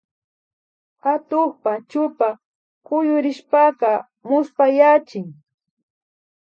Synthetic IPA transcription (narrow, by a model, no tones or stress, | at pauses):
at̪ʊχpat͡ʃʊpa | kʊjʊɾɪʃpakɑ | mʊspajat͡ʃɪŋ